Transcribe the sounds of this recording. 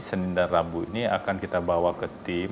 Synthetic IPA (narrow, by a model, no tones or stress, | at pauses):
sənindarabuḭnia̰kankit̪abawakət̪im